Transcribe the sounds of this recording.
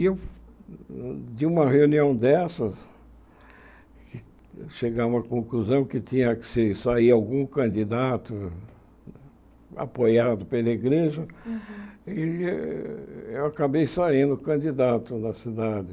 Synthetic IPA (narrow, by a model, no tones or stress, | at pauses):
ew | d̪iũmɐheuniɐ̃w̃d̪ɛsɐ | kɪ | ʃeɡaũmɐkõkluzɐ̃w̃kɪt̪ĩɲɐksɪsaiawɡũkɐ̃nd̪id̪at̪ʊ | a̰pojad̪ʊpelɐiɡɾeʒɐ | el | ewakabejsaĩnd̪ʊkɐ̃nd̪id̪at̪ʊnɐsid̪ad̪ɪ